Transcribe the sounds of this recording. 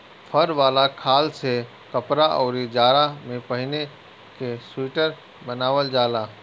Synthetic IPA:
pʰəɾʋaːlakʰaːlse | kəpɾaʔɔ̰ːɾid͡ʒaːɾamẽpəɦɪne | kesiːʈəɾ | bənaːʋəld͡ʒaːlaː

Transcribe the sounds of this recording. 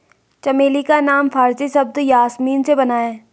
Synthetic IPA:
t͡ʃɐmeːlikanaːmpʰaːɾsisɐb̚d̪jaːsmiːnsebɐnaːeː

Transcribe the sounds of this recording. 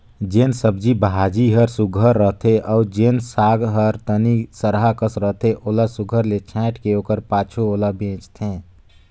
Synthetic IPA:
d͡ʒensəbd͡ʒibɦad͡ʒiɦəɾsuɡʱəɾːəɦt̪ʰeʔɔʊd͡ʒensaːɡɦəɾt̪ənisəɾɦakəsɾəɦt̪ʰeʔoːlasuɡʱəɾlet͡ʃʰɛ̃ːʈkeoːkəɾpaːt͡ʃʰuoːlabʱẽt͡ʃt̪ʰẽ

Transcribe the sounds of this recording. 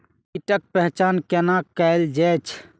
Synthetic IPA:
iʈək̚pɛɦt͡ʃankenakɛɪld͡ʒɛt͡ʃʰ

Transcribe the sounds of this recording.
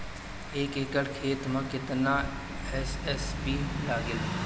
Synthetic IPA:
eːkekəɽkʰeːt̪mãkɪt̪na | ɛsɛsbiːlaːɡɪl

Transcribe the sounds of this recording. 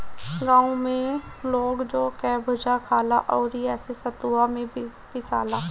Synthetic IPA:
ɡãːũmẽloːɡd͡ʒoːkɛːbʱʊd͡ʒakʰaːla̰ʔɔːɾɦiɛːsesɐt̪uamẽbʱ | pɪsa̰ːlaː

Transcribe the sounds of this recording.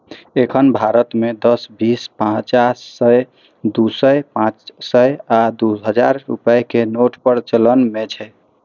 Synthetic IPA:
ekʰənbʱaɾət̪med̪əsbispãt͡ʃasːəj | d̪usəjpãt͡ʃsəjad̪uɦəd͡ʒaɾːṵpəekenoʈʰpəɾt͡ʃələnmet͡ʃʰɛ

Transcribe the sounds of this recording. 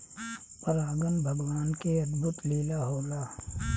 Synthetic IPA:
pəɾaːɡənbʱɐɡwaːnkeɐd̪bʱʊt̪liːlaɦoːlaː

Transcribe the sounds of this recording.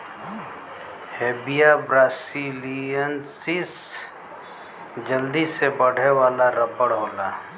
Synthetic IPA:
heːbijabɾaːsiliənsis | d͡ʒəld̪isebəɽ̤ewaːlaɾəpəɽɦoːlaː

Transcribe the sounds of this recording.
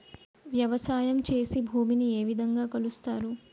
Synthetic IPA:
ʋjɐʋɐsaːjɐmt͡ʃe̞ːsibʱuːminie̞ːʋid̪ʱɐŋɡaːkɐlust̪aːɾu

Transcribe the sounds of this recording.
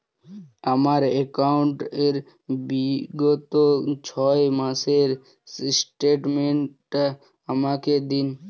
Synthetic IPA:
əmaɾekaːɳʈeɾ | biɡot̪ot͡ʃʰɔːjmãːseɾ | sʈeːʈmẽɳʈ | əmãːked̪in

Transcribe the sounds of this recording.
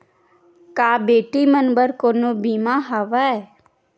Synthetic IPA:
kaːbeːʈimənbəɾkoːnobiːmaɦəʋəe

